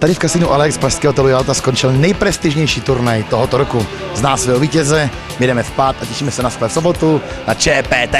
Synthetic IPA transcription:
t̪adɪfkast̪ɪnuʔalɛkspɾaʃskɛːɦot̪ɛlujalt̪askont͡ʃɪlnɛjpɾɛst̪ɪʒɲɛjʃiːt̪uɾnajt̪oɦot̪oɾoku | znaːsvɛɦoviːcɛzɛ | jɛdɛmɛfpaːt̪ʔacɛʃiːmɛsɛnasklɛfsobot̪u | nat͡ʃɛpɛːt̪ɛ

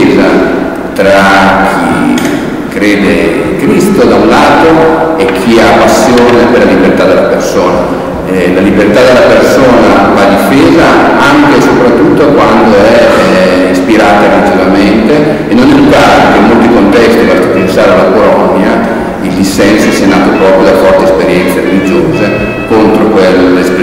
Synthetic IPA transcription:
za̰ | t̪ɾak̟ʰḭ | kːɾeːd̪e | kɾist̪od̪aunlaːt̪oek̟ʰːiapːasːjoːneperlːalibert̪ad̪ːelːapersoːna̰ | ɛlalibert̪ad̪elːapersoːnafad̪ifeːzaaŋk̟esopɾat̪ːut̪ːokwand̪oɛ | ispiɾaːt̪aɾelid͡ʒivament̪eː | nːonɛluɡaːɾek̟eimolt̪ikont̪ɛst̪ivat̪ːapensaːɾealːakolɔnːja | ild̪isːɛnsosianaːt̪opɾɔːpɾjod̪afɔrt̪eespeɾjɛnt̪seɾelid͡ʒoːze | kont̪ɾokwelsp

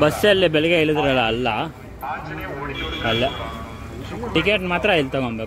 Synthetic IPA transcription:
bɐsːɐlːibɛɭɛɡeiɭid̪ɾɐlɐːlːɐ | ɐlːe | ʈikeːʈmaːt̪ɾɐilt̪ɐɣoɳbe

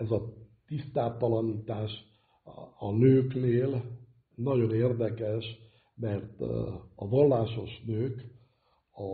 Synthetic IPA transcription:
ɛzɒt̪ist̪aːt̪ɒlɒniːt̪aːʃ | ɒnøːkneːl | nɒɟo̞neːrd̪ɛkɛʃ | mɛrt̪ɒvɒlːaːʃo̞ʃnøːk | ɒ

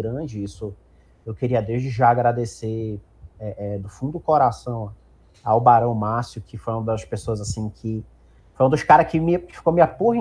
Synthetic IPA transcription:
ɾɐ̃d͡ʒɪisʊ | ewkeɾiɐd̪ewʒd͡ʒɪʒaːɡɾad̪ese | ɛʔɛd̪ʊfũd̪ʊʊkoɾasɐ̃w̃ | awbaɾɐ̃w̃masjʊkʰɪfojũd̪ɐspesoɐzasĩkʰɪ | fojũd̪ʊskaɾɐkɪmɐkɪfi̥komiɐpoɦɐ̃

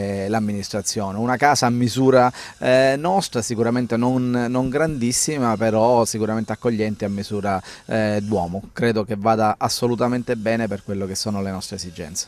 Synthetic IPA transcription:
lamːinist̪ɾat̪sːjoːneunakaːsaːmːizuːɾa | nɔst̪ɾasikuɾament̪enonːoŋɡɾand̪isːimapeɾɔsikuɾament̪eakːoʎːɛnt̪iamːizuːɾad̪wɔːmokɾeːd̪okevːaːd̪aʔasːolut̪ament̪ebɛːneperkwelːokesːoːnolenɔst̪ɾeszid͡ʒɛ̰nt̪se̥

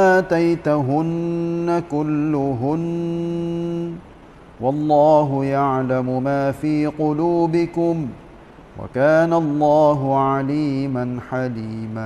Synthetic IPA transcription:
ʔaːt̪ajt̪ɦʊnːakʊlːʊɦʊn | wɑlˤːɑːɦʊjaʕlamʊmaːfiːqʊluːbɪkʊm | wʔa̰kaːnalˤːɑːɦʊʕaliːmanħaliːmaː

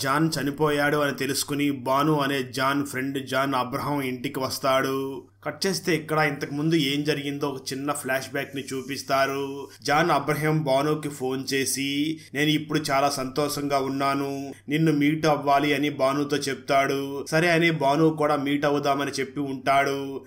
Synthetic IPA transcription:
d͡ʒaːnt͡ʃɐnipɔːjaːɽuɐnit̪e̞lusu̥kunibaːnuːɐne̞ːd͡ʒaːnpʰɾe̞ɳɖd͡ʒaːnɐbɾɐɦɐmiɳʈikiʋɐst̪aːɽu | kɐʈːt͡ʃeːst̪e̞ːikːɐɽɐint̪ɐkimund̪ue̞ːmd͡ʒɐɾiɡind̪o̞ːɔkɐt͡ʃinːɐpʰlaːʂbɛːknit͡ʃuːpist̪aːɾud͡ʒaːnɐbɾɐɦɐmbaːnuːkipʰo̞ːnt͡ʃe̞ːsine̞ːnuipːuɽut͡ʃaːlaːsɐnt̪ɔːʂɐŋɡaːunːaːnuninːumiːʈɐʋːaːliɐnibaːnuːt̪o̞ːt͡ʃep̚t̪aːɽusɐɾeːɐnebaːnuːkuːɽaːmiːʈɐwud̪aːmɐnit͡ʃe̞pːiuɳʈaːɽu

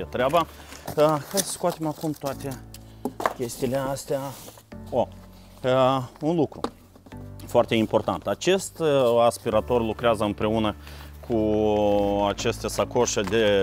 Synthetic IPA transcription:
et̪ɾeaba | əxajsə̥skoat̪emakumt̪oat̪e̞ | kʲe̞st̪iːle̞ast̪ea | o | əunlukɾu | foart̪ʲe̞impo̞rt̪ant̪at͡ʃe̞st̪aspiɾat̪o̞rlukɾeazəɨmpɾe̞unəkʰu | at͡ʃe̞st̪e̞sakoʃed̪e̞

